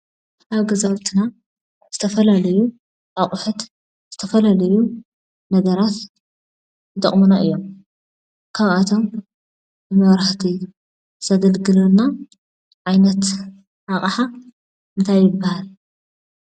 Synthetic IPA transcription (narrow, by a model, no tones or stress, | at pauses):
ʔaβɡɐzawt̪ʰina | z̥ɨt̪ʰɐfɐlalɐju | ʔaχʼʊħɨt̪ | z̥ɨt̪ʰɐfɐlalɐju | nɐɡɐɾat̪ | t̪ʼɐ̰χʼmunaʔɨjːo̞m | kʰaβʔat̪ʰo̞m | bɨmɐβɾaħt̪ʰiu | z̥ɐɡɐlɡɨlɐna | ʕajnɐt̪ | ʔaχʼħa | ʔɨnt̪ʰajːɪbːahal